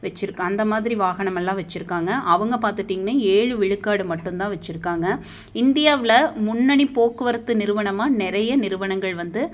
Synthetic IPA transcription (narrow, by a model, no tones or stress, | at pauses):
ʋɛt͡ʃːɪɾɯkːɯɐnd̪ɐmaːðɪɾiʋaːɣɐɳɐmɛlːãːʋɐt͡ʃːɪɾɯkːaːŋɡɐʔɐʋɐŋɡɐpaːɾt̪ɯʈːiːŋɡɐnːaːeːɻɯʋɪɻɯkːaːɽɯmɐʈːɯnt̪ãːʋɐt͡ʃːɪɾɯkːaːŋɡɐ | ɪnd̪ɪjaːʋɪlɐmʊɳːɐɳipoːkɯʋɐɾɯt̪ːɯnɪɾɯʋɐɳɐmaːnɪɾɐjɐnɪɾɯʋɐɳɐŋɡɐɭʋɐnd̪ɯ